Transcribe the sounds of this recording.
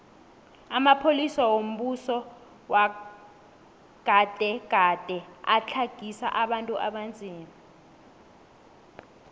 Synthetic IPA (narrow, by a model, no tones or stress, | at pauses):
amapʰolisawom̩ɓusɔ | wa | ɡ̥ʱad̥ʱɛɡ̥ʱad̥ʼʱɛat͡ɬʰaɡ̥ʱisa̰ʔaɓantʼuʔaɓand͡zʱiːma